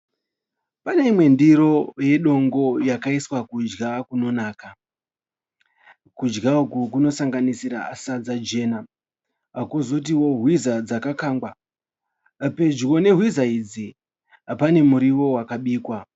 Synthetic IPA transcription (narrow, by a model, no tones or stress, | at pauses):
pane̞imwe̞ndiɾo̞je̞ɗo̞ŋɡo̞jakaiswakud͡ʒɡakuno̞naːka | kud͡ʒɡaokuk̬uno̞saŋɡanisiɾa̰asad͡zad͡ʒe̞ːna | akozot̬iwo̞ɦwizad͡zakakaːŋɡwa | pe̞d͡ʒwo̞ne̞ɦwizaid͡zi | apane̞muɾiwo̞wakaɓiːkwa